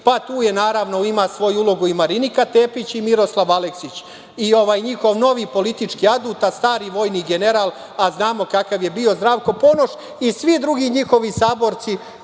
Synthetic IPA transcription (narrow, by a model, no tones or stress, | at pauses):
pat̪uːjenaːɾaʋno̞imasʋo̞juulo̞ɡuimaɾinikat̪e̞ːpit͡ɕimiɾo̞slˠaʋaleksit͡ɕ | io̞ʋaːjɲixo̞ʋno̞ʋiːpo̞lit̪it͡ʃkiad̪uːt̪ast̪aːɾiʋo̞ːjniɡe̞ne̞ɾaːlˠ | aznaːmo̞kakaʋje̞bio̞zd̪ɾaːʋko̞po̞noʃ | isʋid̪ɾuɡiːɲixo̞ʋisaːbo̞ɾt̪si